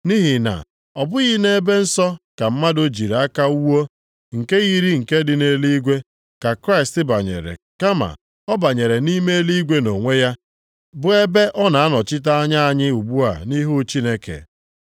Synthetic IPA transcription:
ni˦ɦi˨na̰˨ | ɔ˨bʊ˦ɣi˦ne˦be˦n̩˦sɔ˦ka˨m̩˦ma˦do˦d͡ʒi˨ɾa˦ka˦u˦wo˦ | ŋ̩˨ke˦ɣi˦ɾi˦ŋ̩˨ke˦dɪ˨ne˨˦li˦ɡʷe˦ | ka˨kɾa˦ɪ˨stɪ˦ba˨ɲḛ˨ɾḛ˨ | ka˦ma̰˨ | ɔ˦ba˨ɲe˨ɾe˨ni˦me˦e˦li˦ɡʷe˦no˨ŋʷe˦ja˦ | bʊ˨e˦be˦ʔɔ˦na˨a˦nɔ˨t͡ʃɪ˦t̬a˦a˦ɲa˦a˦˨ɲɪ˦u˨ɡ͡bu˦a̰˨ni˦ɦu˦t͡ʃi˦ne˦kḛ˨

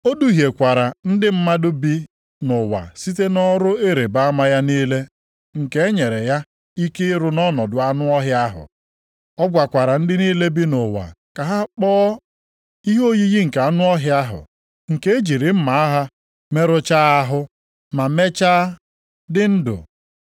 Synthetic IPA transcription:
o˦du˦ɦje˨kʷa˨ɾa˨n̩˦dɪ˦m̩˦ma˦dʊ˦bi˦ | nʊ˨wa̰˨si˦t̬e˦nɔ˦ɾʊ˦e˦ɾe˨ba˦a˦ma˦ja˦niː˦le˦ | ŋ̩˨ke˦e˦ɲe˨ɾe˨ja˦ | i˦ke˦ɾʊ˦nɔ˦nɔ˨dʊ˨a˦nʊ˦ɔ˦ɦɪ˦a˦ɦʊ̰˨ | ɔ˦ɡʷa˨kʷa˨ɾa˨n̩˦dɪ˦niː˦le˦bi˦nʊ˨wa̰˨ | ka˨ɦa˦k͡pɔː˦ | i˦ɦo˦ji˦ɣi˦ŋ̩˨ka˦nʊ˦ɔ˦ɦja˦ɦʊ̰˨ | ŋ̩˨ke˦e˦d͡ʒi˨ɾi˨m̩˦ma˨a˦ɦa˦ | me˦ɾʊ˦t͡ʃa˦a˦ɦʊ˦ | ma˨˦me˦t͡ʃa˦ | dɪ˦n̩˦dʊ̰˨

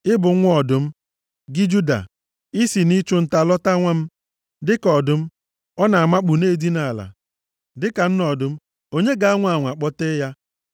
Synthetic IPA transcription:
ɪ˦bʊ˨˦ɔ˨dʊ˨m̩˦ | ɡɪ˦d͡ʒu˦da̰˨ | i˦si˨ni˦t͡ʃʊ˦n̩˨ta˨lɔ˦ta˦ŋʷa˦m̩˦ | dɪ˦kɔ˨dʊ˦m̩˦ | ɔ˦na˨a˨ma˦k͡pu˨ne˦˨di˦na˨la̰˨ | dɪ˦ka˨n̩˦nɔ˨dʊ˦m̩˦ | o˦ɲe˦ɡa˨a˦ŋʷ˦˨a˨ŋʷa˨k͡pɔ˦te˦ja˦

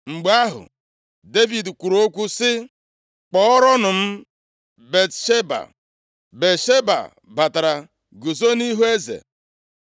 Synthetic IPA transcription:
ŋ͡m̩˨ɡ͡ba˦ɦʊ̰˨ | de˦vi˨dkʷu˨ɾo˦kʷu˦sɪ˦ | k͡pɔ˨˦ɔ˦ɾɔ˦nʊ˨m̩˦ | be˨tʃe˦ba̰˨ | be˨ʃe˦ba̰˨ | ba˨ta˨ɾa˨ | ɡu˨zo˦ni˦ɦu˦e˦zḛ˨

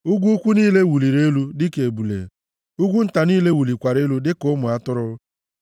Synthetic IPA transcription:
u˦ɡʷu˦kʷu˦niː˦le˦wu˨li˨ɾe˦lu˦dɪ˦ke˨bu˨lḛ˨ | u˦ɡʷu˦n̩˦ta˨niː˦le˦wu˨li˨kʷa˨ɾe˦lu˦dɪ˦kʊ˦mʊ˨a˦tʊ˦ɾʊ˦

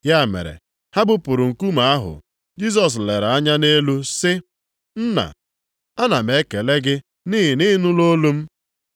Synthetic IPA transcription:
ja˦˨mḛ˨ɾḛ˨ | ha˦bʊ˦pʊ˨ɾʊ˨ŋ̩˨ku˦ma˨a˦ɦʊ̰˨ | d͡ʒi˦s̬ɔ˨s̬le˨ɾa˦ɲa˦ne˦lu˦sɪ˦ | n̩˦na̰˨ | a˦na˨me˨˦ke˨le˦ɡɪ˦ | niː˦ɦi˨ni˦nʊ˦lo˦lu˦m̩˦

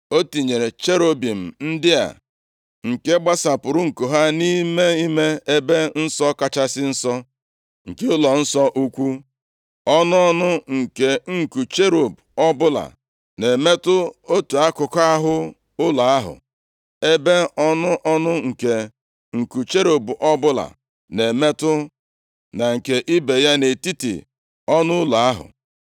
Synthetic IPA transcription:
o˦ti˨ɲe˨ɾe˨t͡ʃe˦ɾo˦bi˨m̩˨n̩˦dɪ˦a̰˨ | ŋ̩˨ke˦ɡ͡ba˦sa˨pʊ˨ɾʊ˦ŋ̩˨ko˨ɦa˦ni˦me˦i˦me˦e˦be˦n̩˦sɔ˦ka˦t͡ʃa˦sɪ˦n̩˦sɔ˦ | ŋ̩˨ke˦ʊ˦lɔ˨n̩˦sɔ˦ʔu˦kʷu˦ | ɔ˦nʊ˦ɔ˦nʊ˦ŋ̩˨ke˨ŋ̩˨ku˨t͡ʃe˦ɾo˨b | ɔ˦bʊ˦la̰˨ | ne˨me˦tʊ˦o˦tu˨a˦kʊ˨ka˦ɦʊ˦ | ʊ˦la˨a˦ɦʊ̰˨ | e˦be˦ɔ˦nʊ˦ʔɔ˦nʊ˦ŋ̩˨ke˨ | ŋ̩˨ku˨t͡ʃe˦ɾo˨bʔɔ˦bʊ˦la̰˨ | ne˨me˦tʊ˦ | na˨ŋ̩˨ke˨ʔi˦be˨ja˦ne˨ti˦tḭ˨ | ɔ˦nʊ˦ʊ˦la˨a˦ɦʊ̰˨

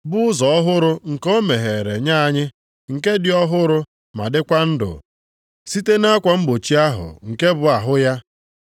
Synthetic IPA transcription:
bʊ˦ʊ˦zɔ˨ɔ˦ɦʊ˦ɾʊ˦ŋ̩˨ko˦me˨ɦe˨ɾe˨ɲa˦a˦ɲɪ˦ | ŋ̩˨ke˦dɪ˨˦ɔ˦ɦʊ˦ɾʊ˦ | ma̰˨dɪ˦kʷa˦n̩˦dʊ̰˨ | si˦te˦na˦kʷa˨m̩˦ɡ͡bo˨t͡ʃi˦a˦ɦʊ̰˨ŋ̩˨ke˦bʊ˨a˨ɦʊ˦ja˦

